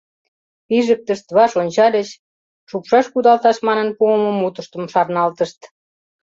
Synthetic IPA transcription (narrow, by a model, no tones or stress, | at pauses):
piʒək̚t̪əʃt̪βɑʃonʲt͡ɕɑd̪et͡ɕ | ʃupʃɑʃkud̪ɑlt̪ɑʃmɑnənpuəməmut̪əʃt̪ə̆mʃɑrnɑlt̪əʃt̪